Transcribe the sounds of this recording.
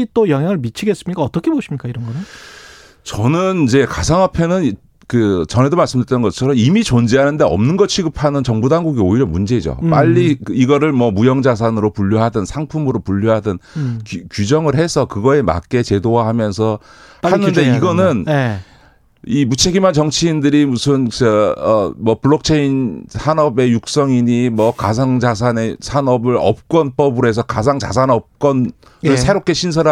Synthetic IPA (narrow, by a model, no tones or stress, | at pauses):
it͈ojʌŋɦjaŋɯɭmit͡ɕʰiɡe̞s͈ɯmɲik͈aʌt͈ʌkʰeboɕʰimɲik͈aiɾʌnɡʌne | t͡ɕʌnɯnid͡ʑe̞kasʰaŋapʰenɯn | kɯt͡ɕʌnɦe̞domaɭs͈ɯmdɯɭt͈ʌnɡʌt͡ɕʰʌɾʌmimit͡ɕond͡ʑeɦanɯnde̞ʌ̰mnɯnɡʌt͡ɕʰiɡɯpʰanɯnt͡ɕʌŋbudaŋɡuɡioiɾjʌmund͡ʑe̞id͡ʑo̰p͈aʎːiiɡʌɾɯɭmwʌmujʌŋd͡ʑas̬ʰanɯɾopuʎːoɦadɯnsʰaŋpʰumɯɾopuʎːjoɦadɯnkkjud͡ʑʌŋɯɭɦe̞sʰʌkɯɡʌe̞ma̰k͈e̞t͡ɕe̞dowahamjʌnsʰʌhʰanːɯnde̞iɡʌnɯn | imut͡ɕʰe̞ɡimant͡ɕʌŋt͡ɕʰiːndɯɾimusʰɯnt͡ɕʌʌmwʌpuɭːʌk̚t͡ɕʰeinsʰanʌbe̞juk̚s͈ʌŋiɲimwʌkasaŋd͡ʑasʰane̞sʰanʌbɯɾʌ̰p̚k͈wʌnp͈ʌbɯɾe̞s̬ʰʌkad͡ʑaŋt͡ɕa̰sʰanʌp̚k͈ʌn | ɾɯɭsʰe̞ɾok͈̚e̞ɕʰins̬ʰʌɾ